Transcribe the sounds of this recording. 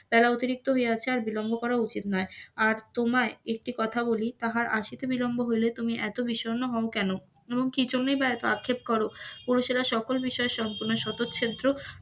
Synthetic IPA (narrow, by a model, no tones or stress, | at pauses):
b̥ɛlaot̪iɾik̚t̪oɦoeat͡ɕʰeaɾbilombʱokɔɾaut͡ɕit̪nɔeaɾt̪omaeek̚ʈikɔt̪ʰabolit̪aɦaɾʔaʃit̪ebilombʱoɦojlet̪umiʔɛt̪obiʃonoɦɔokɛno | eboŋkid͡ʑonːejbaɛt̪oakʰːep̚kɔɾopuɾoʃelaʃɔkolbiʃɔeʃɔmpuɾnoʃɔt̪otːɕʰed̪ɾo